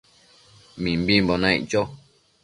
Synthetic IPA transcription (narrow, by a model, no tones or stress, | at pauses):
mĩmbĩmbonãḭ̃t͡ʃo